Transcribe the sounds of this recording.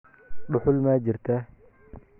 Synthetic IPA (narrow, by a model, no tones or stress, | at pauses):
ɗʊħʊlmaːd͡ʒɪɾt̪ʰa